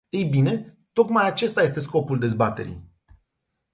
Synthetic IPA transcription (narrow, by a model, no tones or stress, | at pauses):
ejbine̞ | t̪o̞kmajat͡ʃe̞st̪ajest̪e̞sko̞puld̪e̞zbat̪e̞̰ɾḭj